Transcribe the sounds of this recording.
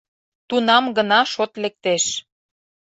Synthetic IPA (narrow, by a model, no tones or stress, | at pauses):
t̪unɑmɡənɑʃot̪lek̚t̪eʃ